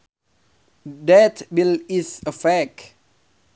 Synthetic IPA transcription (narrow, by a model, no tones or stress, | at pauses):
dɛt̪bilisəfɛk